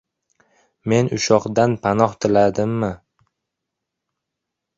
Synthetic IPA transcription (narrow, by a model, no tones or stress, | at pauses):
me̞nʊʃɒqd̪anpʰanɒχt̪ʰɪlad̪ɪmːɪ